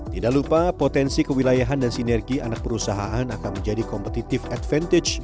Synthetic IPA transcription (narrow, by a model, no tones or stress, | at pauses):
t̪idaʔklupapot̪ɛnsikəwilajaɦandansinɛrɡianak̚pəɾusaɦaʔanakanməɲd͡ʒadikɔmpət̪it̪ɪfat̪fɛnt̪ɪt͡ʃ